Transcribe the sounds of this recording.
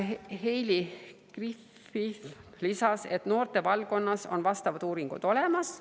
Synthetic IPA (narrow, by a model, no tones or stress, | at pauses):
hejlikrif | if | lisɑse̞t̪no̞ːrt̪e̞vɑlko̞nːɑso̞̰nvɑst̪ɑvɑd̪̥uːɾiŋɡ̥ṵd̪̥o̞le̞mɑs